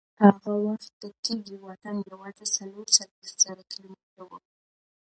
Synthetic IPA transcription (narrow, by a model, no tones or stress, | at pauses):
haɣawaxt̪ːəkeɡiwɑt̪andawat̪asaloɾsalwext̪z̥aɾakɪlometawu